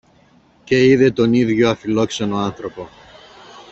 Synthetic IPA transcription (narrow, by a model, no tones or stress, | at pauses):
ce̞iðe̞t̪oniðʝo̞ɐfilo̞kso̞no̞anθɾo̞po̞